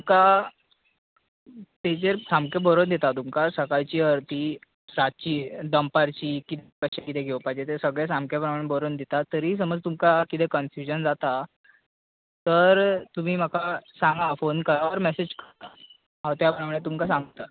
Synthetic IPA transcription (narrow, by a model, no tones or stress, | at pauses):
umka | t̪et͡ɕeɾsamkebəɾond̪et̪at̪umkasəkajt͡ɕiːəɾt̪iː | ɾat̪̚t͡ɕiːd̪əmpaɾt͡ɕiːkit̪ekəɕekit̪eɡʱewpajd͡ʑet̪esəɡɭesamkepɾəmaɽ̃ebəɾond̪ʱet̪at̪əɾiːs̬əməd͡zt̪umkakit̪ekənfjud͡ʑənd͡zat̪a | t̪əɾt̪um̤iːm̤əkasãŋɡafonkəɾaʋəɾmɛsed͡ʑkəɾt̪a | ɦãwt̪japɾəmaɽ̃et̪umkasãŋɡt̪a